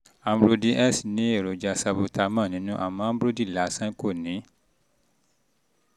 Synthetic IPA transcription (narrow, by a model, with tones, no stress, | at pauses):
a˧m˦bɾo˧di˧ʔɛ˦˨snĩ˨˦e˦˨ɾo˨d͡ʒa˧sa˧bo˧ta˧mã˦˨nĩ˨˦nũ˦ʔa̰˨mã˨˦a˦bɾo˦di˦˨la˨˦˨sã˦ko˦˨nĩ˨˦